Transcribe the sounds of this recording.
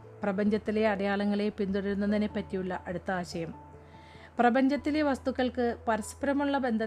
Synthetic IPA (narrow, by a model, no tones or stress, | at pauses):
prɐbɐɲd͡ʑɐt̪ːile̞ɐɽɐjaːɭɐŋːɐɭe̞pind̪uɽiɾunːɐninepːɐtːijuɭːɐʔɐɽut̪ːaːɕɐjɐm | prɐbɐɲd͡ʑɐt̪ːileʋɐst̪ukːɐɭkɨpɐɾɐspɐɾɐmuɭːɐbe̞nd̪ʱɐ